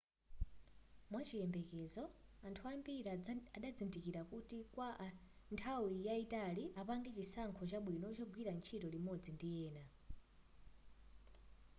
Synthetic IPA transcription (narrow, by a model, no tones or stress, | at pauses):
mwat͡ʃijɛmbɛkɛzɔantʰuambiɾaaɗad͡zindikiɾakutikwantʰawijaitaliʔapaŋɡɛt͡ʃisaŋkʰɔt͡ʃaɓwinɔt͡ʃɔɡwiɾant͡ʃʰitɔlimɔd͡zindijɛːna